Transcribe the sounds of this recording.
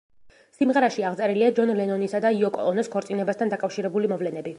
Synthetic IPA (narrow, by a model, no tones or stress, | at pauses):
simʁɛɾaʃiaʁt̪sʼɛɾiliad͡ʒɔnlɛnɔnisad̪aiɔkʼɔ̰ɔnɛskʰɔɾt̪sʼinɛbast̪ʰand̪akʼafʃiɾɛbulimɔvlɛnɛbi